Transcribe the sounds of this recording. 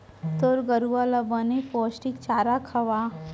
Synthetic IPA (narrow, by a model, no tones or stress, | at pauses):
t̪oɾɡəɾuʋalabəneposʈikt͡ʃaːɾakʰɐʋa